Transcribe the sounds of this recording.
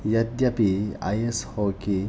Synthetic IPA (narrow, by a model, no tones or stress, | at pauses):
jɐd̪japia̰jeshɔki